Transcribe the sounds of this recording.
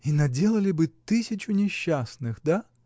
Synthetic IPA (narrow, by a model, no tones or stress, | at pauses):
inɐdʲe̞lˠəlʲɪbɨt̪ɨsʲɪt͡ɕʊnʲɪɕːasnɨxd̪a